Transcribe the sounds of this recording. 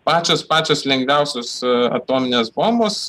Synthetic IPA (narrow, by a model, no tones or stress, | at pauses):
pɑːt͡ʃʲoːspɑːt͡ʃʲoːslʲɛŋɡʋʲɛʊsʲoːsɐ̰t̪oːmʲɪnʲeːsboːmboːs